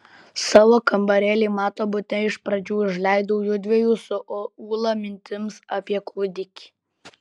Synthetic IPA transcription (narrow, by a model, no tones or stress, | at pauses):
sɑːʋoːkɐmbɐɾʲɛːlʲiːmɑːt̪oːbʊt̪ʲnʲɛɪʃpɾɐd͡ʒʲuːɪʒlʲæɪd̪oʊjʊd̪ʲʋʲɛjuːsʊʔoːuːlˠɐmʲɪnʲt̪ʲɪmsɑːpʲiɛkuːd̪ʲɪkʲi̥